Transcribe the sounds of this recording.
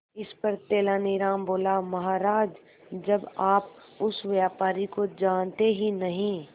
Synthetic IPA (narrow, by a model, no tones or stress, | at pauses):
ɪspɐɾt̪eːlaniɾaːmboːlamɐɦaːɾaːd͡ʒ | d͡ʒɐbaːp̚ | ʊsʋjaːpaːɾikod͡ʒaːnt̪eɦinɐɦĩ